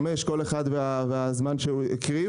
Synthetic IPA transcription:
me̞ʃko̞leχad̪veaveazmanʃeuḭkʁi

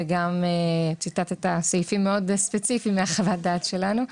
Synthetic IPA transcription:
eɡamet͡ʃitat̪etasajfimːeo̞dspet͡sifimːeaχavat̚daːtʃelanu

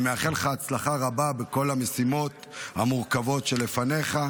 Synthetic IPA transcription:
meaχe̞lχaːt͡slaχaʁababeko̞lame̞simo̞t̪ | ha̰muʁkavo̞tʃe̞le̞fane̞χa

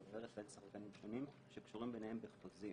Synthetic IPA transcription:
veʁeχlelsaχʁkanimʃonim | ʃekʃuʁimbenehembeχpozi

